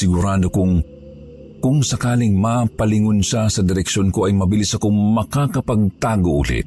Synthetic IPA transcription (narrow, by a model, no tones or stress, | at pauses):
sɪɡʊɾaːd̪okʊŋ | kʊŋsɐkaːlɪŋmapɐlɪŋʊnʃasɐd̪ɪɾɛkʃonkoʔɐjmɐbɪlisɐkoŋmɐkakɐpɐɡ̚t̪aːɡoʔʊ̰lɪ̰t̪